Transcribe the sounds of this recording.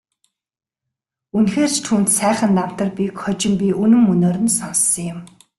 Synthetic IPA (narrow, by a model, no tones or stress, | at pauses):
unxeːr̥t͡ɕt̪ʰuːnt̪sæːχə̆nt̪am̥t̪ə̆rpʲikχɔt͡ɕɪ̆mpʲiʔɵnɵ̆mːɵnoːɾɘ̆nsɔnsːɞ̆ŋjɪm